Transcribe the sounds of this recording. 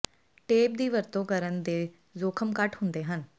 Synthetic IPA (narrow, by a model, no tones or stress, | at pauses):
ʈeːp̚d̪iːʋəɾt̪õːkəɾənd̪eː | zoːkʰəmkəʈʰɦʊnd̪eːɦən